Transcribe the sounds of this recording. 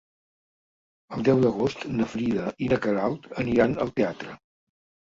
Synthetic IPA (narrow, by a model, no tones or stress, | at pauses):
əlˠd̪ɛwd̪əɣ̞ost̪nəfɾiðəʔinəkəɾalˠt̪əniɾanə̰lˠt̪eat̪ɾə